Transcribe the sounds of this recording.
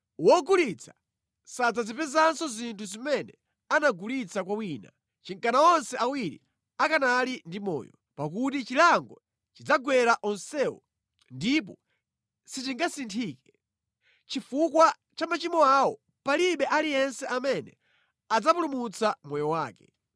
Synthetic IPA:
wɔɡulit͡sʰḁ | sad͡zazipɛzansɔzintʰuzimɛnɛ | anaɡulit͡sakwawiːna̰ | t͡ʃiŋkanaɔnsɛʔawiɾḭ | akanalindimɔ̰ːjɔ̰ | pak̬utit͡ʃilaŋɡɔ | t͡ʃid͡zaɡwɛɾaʔɔnsɛwɔ̰ | ndip̬ɔ | sitiŋɡasintʰiːkɛ | t͡ʃifukwa | t͡ʃamat͡ʃimɔawɔ | paliɓɛʔalijɛnsɛʔamɛnɛ̰ | ad͡zapulumut͡sʰamwɔjɔwaːkɛ

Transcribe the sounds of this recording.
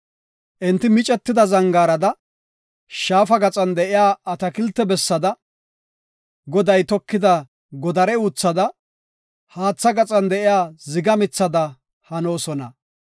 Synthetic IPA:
ʔɪnt̪ːɪmɪt͡ʃʼɛt̪ːɪd̪ɐzɐŋɡaːɾɐd̪ɐ | ʃaːfɐɡɐt͡sʼɐnd̪ɛʔɪjaːɐt̪ɐkɪlt̪ːɛbɛsːɐd̪ɐ | ɡɔd̪ɐjt̪ɔkːɪd̪ɐ | ɡɔd̪ɐɾɛuːt͡sːɐd̪ɐ | haːt͡sːɐɡɐt͡sʼɐnd̪ɛʔɪjaːzɪɡɐmɪt͡sːɐd̪ɐ | hɐno̞ːsɔnɐ̰

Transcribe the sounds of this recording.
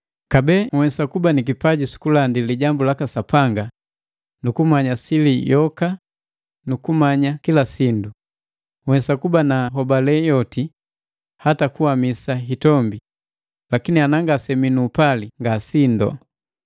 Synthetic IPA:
kabɛŋwɛsakubanik̬ipaɟisu̥kulandiliɟambulakasapaŋɡa | nukumaɲasilijɔka | nukumaɲakilasindu | ŋwɛsakubanaɦɔbalɛjɔti | hatakuwamisaɦitɔmbi | lakinianaŋɡasɛminuːpaliŋɡasindɔ̰

